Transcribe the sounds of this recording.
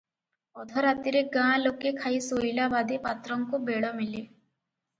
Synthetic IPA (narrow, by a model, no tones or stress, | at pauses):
ɔd̪ʱɔɾat̪iɾek̚ɡãːlokːekʰaisoilabad̪ʱepat̪ɾɔŋkobeːɽɔmɪle